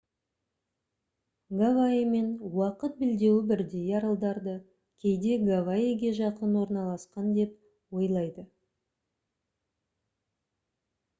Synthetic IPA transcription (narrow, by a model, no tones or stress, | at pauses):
ɡavaime̞nwɑqət̪̚bɪld̪e̞wɪbɪɾd̪e̞jɑɾəlˠd̪ɑɾd̪ə | kʲʰe̞jd̪e̞ɡavaiɡʲe̞ʒɑqənwo̞ɾnɑlˠɑsqɑnd̪e̞p̚ | wo̞jlˠɑjd̪ə